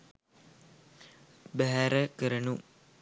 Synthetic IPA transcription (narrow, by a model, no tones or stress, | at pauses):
bæɦæɾəkəɾənu